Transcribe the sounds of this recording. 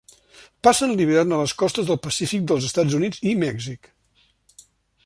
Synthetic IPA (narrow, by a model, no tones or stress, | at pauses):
pasənliβəɾanələskɔst̪əzðəlˠpəsifik̚d̪əlˠzəst̪ad͡zunid͡zimɛɡzik